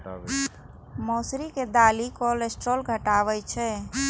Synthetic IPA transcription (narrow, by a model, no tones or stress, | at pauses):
moːsɾiked̪aːlikolesʈɾolɡʱəʈaːʋəjt͡ʃʰɛ